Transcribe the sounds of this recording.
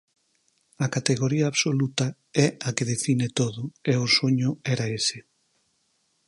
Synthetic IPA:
ɐkat̪eɣoɾiɐːβsolut̪ɐ | ɛakeðefinet̪oðʊeʊsoɲʊɛɾaesɪ

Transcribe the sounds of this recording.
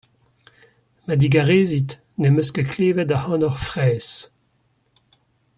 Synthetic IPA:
mad̪iɡaʁeːzit̪ | nemøskəkleːvɛtahɑ̃ːnɔʁfʁɛːs

